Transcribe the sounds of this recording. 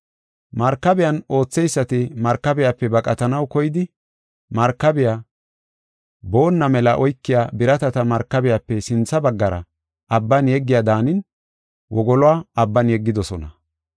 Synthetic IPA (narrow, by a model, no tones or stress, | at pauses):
mɐɾkːɐbɪjɐno̞ːt͡sːɛjsːɐt̪ɪmɐɾkːɐbɪjapːɛbɐkʼɐt̪ɐnɐwkɔjɪd̪ɪ | mɐɾkːɐbɪja | bo̞ːnːɐmɛlɐʔɔjkːɪjaːbɪɾɐt̪ɐt̪ɐmɐɾkːɐbɪjapːɛsɪnt͡sːɐbɐɡːɐɾɐ̰ | ɐbːɐnjɛɡːɪjad̪aːnɪn | wɔɡɔlɔaːɐbːɐnjɛɡːɪd̪ɔsɔnɐ̰